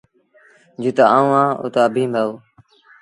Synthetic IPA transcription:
d͡ʒuːt̪aːaːũːãːṵt̪aːbʱĩːmbaːuː

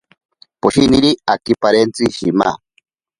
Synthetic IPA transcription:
poʃiniɾiakipaɾent͡siʃḭma̰

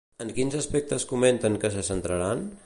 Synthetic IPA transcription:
əŋkinzəspɛk̚t̪əskument̪əŋkəsəsənt̪ɾəɾan

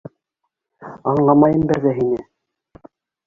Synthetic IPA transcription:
ɑɴlˠɑmɑjɤmbɘ̆ɾðæɦinɘ

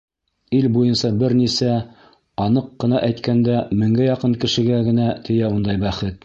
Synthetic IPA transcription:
ilbujɤnsɑbɘɾnisæ | ɑnɤqːɤ̆nɑʔæjt̪kænd̪æmɘ̆ŋɡæjɑqɤŋkɘ̆ʃɘ̆ɡæɡɘ̆næt̪ʰɘ̆jæund̪ɑjbæχɘt̪̚

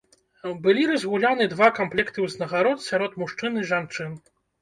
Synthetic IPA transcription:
bɨlʲiɾɐzɣulʲanɨd̪vakamplʲɛkt̪ɨwznɐɣaɾɔt̪sʲaɾɔt̪muʂt͡ʂɨnɨʐant͡ʂɨn

